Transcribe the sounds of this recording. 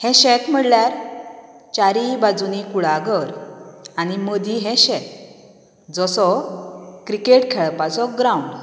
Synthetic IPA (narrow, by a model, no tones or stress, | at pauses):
hɛ̃ɕɛ̃t̪m̤əɽljaɾ | t͡ɕaɾibad͡zunikuɭaɡəɾañiməd̪ʱiɦɛ̃ɕɛt̪̚ | d͡zɔsɔ | kɾikeʈkʰɛɭpat͡sɔɡɾawuɳɖ